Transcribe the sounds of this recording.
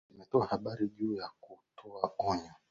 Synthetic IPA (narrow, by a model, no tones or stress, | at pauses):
imɛtɔahaɓaɾiʄuːjakutʰɔaɔɲɔ